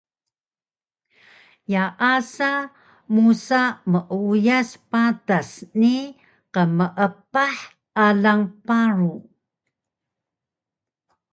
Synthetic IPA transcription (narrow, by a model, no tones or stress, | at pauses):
jaʔasa | musaməʔujaspatasni | qəməʔəpaħ | alaŋpaɾu